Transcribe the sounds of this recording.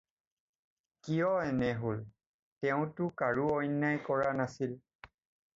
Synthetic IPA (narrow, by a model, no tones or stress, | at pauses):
kijɔɛnɛɦol | tɛʊ̃tʊkaɹuɔjnːajkɔɹanasil